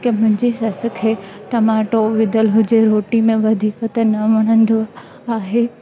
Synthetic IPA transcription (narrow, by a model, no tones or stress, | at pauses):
kemʊ̃ɦɪ̃ɲd͡ʑisɐsəkʰeʈɐmaːʈoʋɪd̪əlɦʊd͡ʑeɾoːʈimẽʋɐd̪ʱiːkət̪enɐʋɐɽ̃ən̆d̪o | aːɦeː